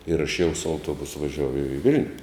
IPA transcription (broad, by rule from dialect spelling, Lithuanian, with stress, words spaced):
ɪr ɐʃ jɛʊ sʊ ɐʊˈtuɔbʊsʊ ʋɐˈʒʲuɔjʊ ɪ ˈʋʲɪlʲnʲʊ